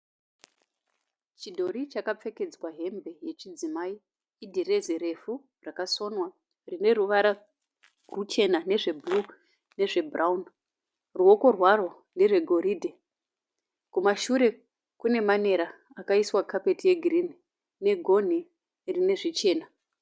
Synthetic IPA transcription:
t͡ʃidʱo̞ɾit͡ʃakap͡fe̞ke̞d͡zwaɦe̞mbʱe̞je̞t͡ʃid͡zimai | idʱere̞zeɾe̞fu | rakaso̞nwa | rine̞ruʋaɾa | rut͡ʃe̞nane̞ʐe̞blu | ne̞ʐe̞bʱraun | ruo̞ko̞rwaro̞ | ne̞ʐe̞ɡʱo̞ɾiːdʱe | kumaʃuɾe̞ | kune̞mane̞ɾa | akaiswakʰape̞tije̞ɡʱirini | ne̞ɡʱo̞n̤i | rine̞ʐit͡ʃe̞ːna

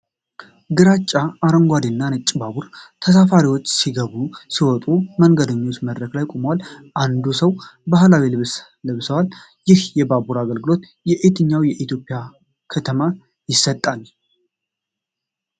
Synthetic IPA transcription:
ɡɨɾat͡ʃʼːaːɾəŋɡʷad̪inːanɨt͡ʃʼːbabuɾt̪ʰəs̬afaɾiwo̞t͡ʃːsiɡəβusiwɔt̪ʼuməŋɡəd̪əɲːot̪məd̪ɾəklajkʼoməwalʔand̪usəwbahlawilɨβs | lɨβsəwal | jɪhjɛbabuɾaɡəlɡɨlo̞t̪jɛʔet̪ʰɨɲːawjɛʔit̪ʰjo̞pʼɪja | kʰət̪ʰəma | jɪsːət̪ʼːal

